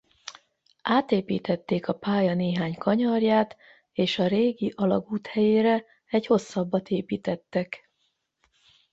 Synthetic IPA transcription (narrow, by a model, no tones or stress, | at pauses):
ʔaːt̪eːpḭːt̪ɛt̪ːeːkɒpaːjɒneːɦaːɲkʰɒɲɒrjaːt̪ | eːʃɒɾeːɡiʔɒlɒɡuːt̪hɛjeːɾɛ | ɛɟho̞sːɒbːɒt̪eːpiːt̪ɛt̪ːɛk